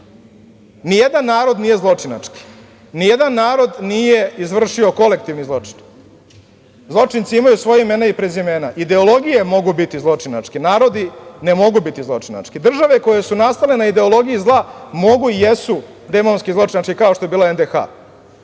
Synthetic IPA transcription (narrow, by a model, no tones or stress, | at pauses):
nijed̪anːaːɾo̞d̪nije̞zlˠo̞t͡ʂina̰t͡ʂki̥ | nijed̪anːaːɾo̞d̪nije̞izʋr̩ʂio̞ko̞le̞k̚t̪iʋnizlˠo̞t͡ʂi̥n | zlˠo̞t͡ʂint̪siimajusʋo̞jaimeːnaipɾezjimeːnaʔid̪e̞olˠo̞ɡijemo̞ɡubit̪izlˠo̞t͡ʂina̰t͡ʂkinaːɾo̞d̪ine̞mo̞ɡubit̪izlˠo̞t͡ʂina̰t͡ʂkid̪r̩ʒaʋe̞ko̞je̞sunast̪ale̞naid̪e̞o̞lo̞ɡijizlˠamo̞ɡuijesu | d̪emonskizlˠo̞t͡ʂinaʈ͡ʂkikao̞ʃt̪o̞je̞biːlˠaend̪exa̰